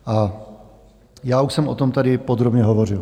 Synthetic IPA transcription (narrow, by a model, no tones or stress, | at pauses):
ʔa | jaːuʃsɛmʔo̰t̪omt̪adɪpod̪ɾobɲɛɦovorɪl